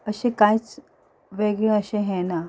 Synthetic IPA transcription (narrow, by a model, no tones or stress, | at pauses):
əɕekajt͡s | ʋeɡɭẽəɕẽɦɛna